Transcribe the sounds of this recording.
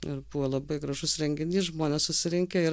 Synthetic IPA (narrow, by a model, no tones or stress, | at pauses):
ɪɾbuːʋoːlˠɐbɐɪɡɾɐʒʊsɾʲɛŋʲɡʲɪnʲiːʒmoːnʲɛːssʊsʲɪɾʲɪŋʲkʲeɪ